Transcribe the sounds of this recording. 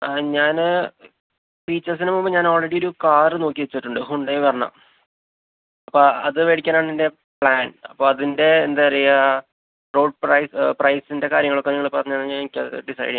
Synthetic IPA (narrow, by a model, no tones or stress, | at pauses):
ɲaːn | fiːt͡ɕːɐrsinɐmːomːbɐɲaːno̞ːlreɽijo̞ɾukaːrɨno̞ːkːiʋet͡ɕːiʈːuɳɖɨɦuɳɖejʋɐrɐnːɐ̰ | ɐpːoːɐðɨʋeːɽikʲːaːnaːɳinde̞ | pɭaːnɐpːoːɐðinde̞ːnd̪aɾɐjɐ | roːɖ̚prɐjsprɐjsinde̞kaːɾjɐŋːɐɭo̞kːeniŋːɐɭpɐrɐɲːaːnɲaːnikʲːɐ̰ðɨ̰ɖisɐ̰jɖi